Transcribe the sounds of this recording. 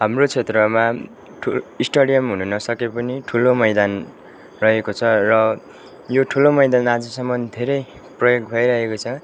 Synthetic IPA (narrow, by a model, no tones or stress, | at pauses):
ɦamrot͡sʰet̪rʌma | ʈʰuisʈʌɽijʌmɦununʌsʌkepʌniʈʰulomʌjd̪an | rʌɦekot͡sʰʌrʌ | joʈʰulomʌjd̪anad͡zʌsʌmʌnd̪ʱeɾʌj | prʌjoɡ̚bʱʌjɾʌɦekot͡sʰʌ